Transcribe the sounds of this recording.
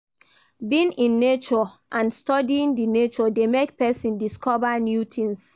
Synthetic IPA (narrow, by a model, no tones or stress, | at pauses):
bĩnĩnːet͡ʃɔʔãnstɔdiĩndinet͡ʃɔdemekpɛsĩndiskɔvanjutʰĩŋs